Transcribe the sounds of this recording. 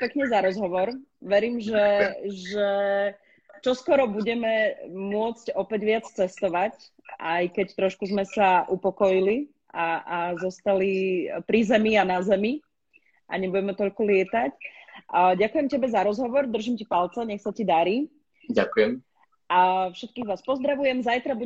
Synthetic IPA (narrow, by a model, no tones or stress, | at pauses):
pɛkɲɛzaɾɔzɦɔʋɔɾʋɛɾiːmʒɛʒɛ | t͡ʃɔskɔɾɔbuɟɛmɛmʊɔt͡scɔpɛɟʋɪat͡st͡sɛst̪ɔʋac | ʔajkɛct̪ɾɔʃkuzmɛsaʔupɔkɔjili | ʔaazɔst̪alipɾizɛmianazɛmi | ʔa̰ɲɛbuɟɛmɛt̪ɔʎkulɪɛt̪ac | ɟakujɛmcɛbɛzaɾɔzɦɔʋɔɾd̪r̩ʒimcipalt͡sɛɲɛxsacid̪aɾiː | akujɛ | afʃɛt̪̚kiːɣʋaːspɔzd̪ɾaʋujɛmzajt̪ɾabu